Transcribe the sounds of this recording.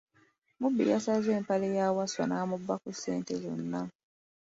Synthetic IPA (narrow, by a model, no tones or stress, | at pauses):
mubːḭjasazeːmpalejaːwaswanaːmubːakusḛːntezonːa